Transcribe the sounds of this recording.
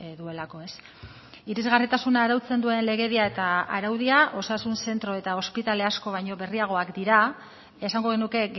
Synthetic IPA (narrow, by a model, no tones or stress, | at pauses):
ðue̞lako̞e̞s | iɾizɣarit̪asunaːɾawt͡se̞nd̪ue̞nle̞ɣ̞e̞ðiae̞t̪aaɾawðiaʔo̞sasunse̞nt̪ɾo̞e̞t̪ao̞spit̪ale̞asko̞β̞ajɲo̞βe̞riaɣ̞o̞akd̪iɾaː | saŋɡo̞ɣ̞e̞nuke̞ɣ